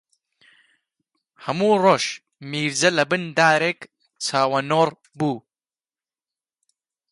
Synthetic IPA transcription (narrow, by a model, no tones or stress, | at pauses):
hɐmuːroːʃ | miːɾd͡zɐlɐbɨnd̪aːɾeːk | t͡sʰaːwɐnoːr | buː